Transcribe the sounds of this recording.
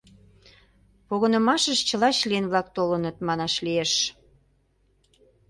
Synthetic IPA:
poɣənə̆mɑʃəʃt͡ɕəlɑt͡ɕlienβlɑk̚t̪olənət̪mɑnɑʃlieʃ

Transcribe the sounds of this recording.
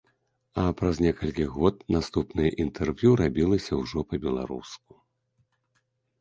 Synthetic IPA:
ɐpɾaznʲɛkɐlʲkʲiɣɔt̪̚nast̪upnɨjɐʔint̪ʰɛrvʲjuɾabʲilˠɐsʲɐwʐɔpɐbʲɛlˠa̰ɾṵsku̥

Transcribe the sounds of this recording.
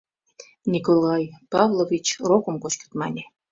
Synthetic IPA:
nʲikolˠɑjpɑvlˠovʲit͡ɕrokə̆mkot͡ɕkə̥t̪mɑ̰nʲe

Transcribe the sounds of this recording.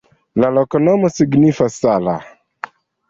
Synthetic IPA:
lalokonomosiɡnifasːala̰

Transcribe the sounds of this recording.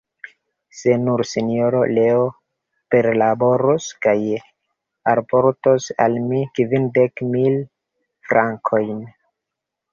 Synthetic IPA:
se̞nuɾsinjo̞ɾo̞le̞o | pe̞ɾlabo̞ɾoskaj | aɾpoɾtosa̰lmikivindekmil | fɾaŋkʰo̞jn

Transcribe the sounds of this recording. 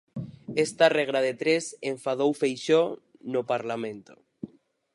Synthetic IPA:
est̪areɣ̞ɾaðet̪ɾeseɱfað̞owfejʃo | nopaɾlamẽnt̪o̥̰

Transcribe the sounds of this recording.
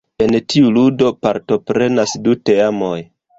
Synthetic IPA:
e̞ntiuludo̞pa̰ɾto̞pɾe̞nasdute̞amo̞j

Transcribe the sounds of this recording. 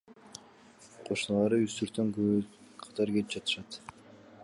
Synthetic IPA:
qʰo̞ʃunɑlˠɑɾɯyst̪yɾt̪øŋkøqʰɑ̥t̪ɑɾkelip̚d͡ʒɑt̪ɯ̥ʃɑt̪

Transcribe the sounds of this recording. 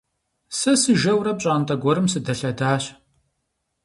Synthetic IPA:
sɐsɨʒɐwrɐp̚ɕʼaːntʼɐɡʷɔɾɨmsɨdɐɬɐdaːɕ

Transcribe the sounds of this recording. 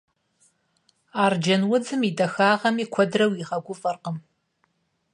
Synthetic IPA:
aːrd͡ʒɐnwʊd͡zɨmidɐxaːʁɐmiːkʷʰɔdrɐwiʁɐɡʷʊfʼɐrqəm

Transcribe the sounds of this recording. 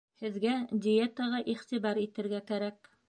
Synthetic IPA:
hɘ̆ðɡæd̪ʲɪet̪əʁɑʔiχt̪iβɑɾit̪ɘ̆ɾɡækæɾæk̚

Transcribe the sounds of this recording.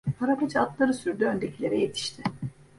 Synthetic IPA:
pʰaɾapad͡ʒat̪lˠaɾɯsyɾd̪yø̞nd̪ecʰilʲe̞ɾɛje̞t̪ʰi̥ʃt̪ʰɪ

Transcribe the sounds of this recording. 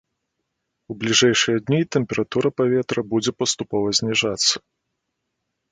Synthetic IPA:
ublʲiʐɛjʂɨjɐd̪ʲnʲit̪ɛmpʲɛɾat̪uɾɐpavʲɛt̪ɾɐbud͡zʲɛpɐst̪upɔvɐzʲnʲɛʐat̪sːɐ̥

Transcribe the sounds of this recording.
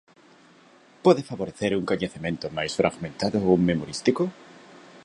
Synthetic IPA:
pweðefaβo̞ɾeθe̞ɾuŋkoɲeθimẽ̞nt̪omajsfɾʔa̰ɣmẽ̞nt̪aðouŋmːe̞moɾist̪iko

